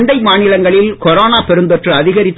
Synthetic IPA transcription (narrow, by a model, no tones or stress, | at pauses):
nd̪ɐɪmaːnɪlɐŋɡɐɭɪlkɔɾoːnaːpɛɾɯnd̪ɔʈrɯɐðɪɣɐɾɪt̪ː